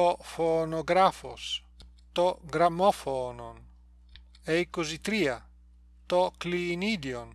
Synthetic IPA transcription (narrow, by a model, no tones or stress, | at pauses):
ɔfonoɡɾafo̰s | t̪ɔɡɾamɔfɔnon | ɛjkuzit̪ɾia | t̪ɔklinid̪jon